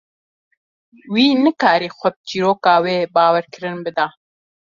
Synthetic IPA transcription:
wiːnɨkaːɾiːxʷɛb̚t͡ʃiːɾoːkaːweːbɑːwɛɾkɨɾɨnbɨd̪ɑː

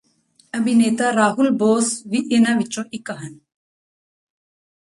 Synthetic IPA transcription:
ɐbineːt̪aɾaːɦulboːsʋiʔenaʋit͡ʃõʔikɐɦɐn

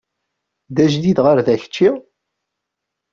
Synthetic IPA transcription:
ðæʒdid̪ʁəɾðæçə̥t͡ʃːi

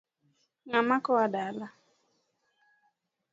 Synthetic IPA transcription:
ŋamakɔadaala

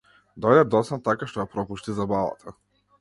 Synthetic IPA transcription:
d̪ɔjd̪ɛd̪ɔt̪sat̪akaʃt̪ɔjapɾɔpuʃt̪izabava̰t̪ʰa

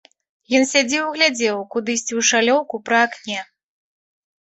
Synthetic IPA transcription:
jɔnsʲad͡zʲiwɣlʲad͡zʲɛwkud̪ɨsʲt͡sʲiwʂalʲɔwkupɾɐaknʲɛ

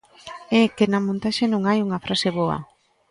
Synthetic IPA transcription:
ɛkenɐmõnt̪aʃenõŋajuŋɐfɾʔaseβoɐ̰

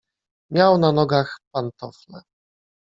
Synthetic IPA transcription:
mʲjawnanɔɡaxpant̪ɔflɛ̰

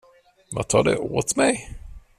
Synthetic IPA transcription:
vat̪ʰɑːɖɛʔoːt̪mɛj

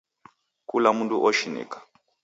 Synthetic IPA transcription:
kulamunduʔɔʃinḭkḁ

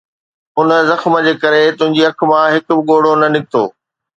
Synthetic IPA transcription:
ʊnə̆zɐxmə̆d͡ʑeːkɐɾet̪ʊ̃ɦɪ̃ɲd͡ʑiɐk̆ʰmãɦɪkʊbɪɠoːɽ̤onɐnɪk̚t̪o̰ː

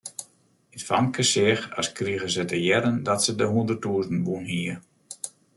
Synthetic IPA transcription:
ətfamkəsɪxɔ̰skriəɣəsətəjɛɾəndɔtsədəɦundərtuːzn̩bunhiər

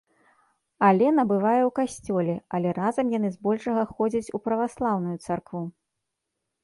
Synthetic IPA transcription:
alʲɛnɐbɨvajɛwkasʲt͡sʲɔlʲɛɐlʲɛɾazɐmjanɨzbɔlʲʂɐɣɐxɔd͡zʲɐt͡sʲupɾɐvaslˠawnujut̪sarkvu

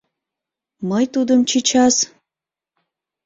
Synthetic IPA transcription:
məjt̪ud̪əmt͡ɕit͡ɕɑs

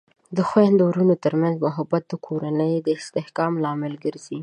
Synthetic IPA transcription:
d̪əxwand̪owɾunot̪əɾmanzmʊɦabat̪̚d̪əkʰoɾanəjd̪əɪst̪ɪhkɑmlɑmɪlɡəɾzi

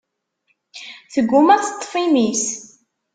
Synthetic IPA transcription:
θəɡʷːʊmæt͡sːə̥t̪ˤːfimis

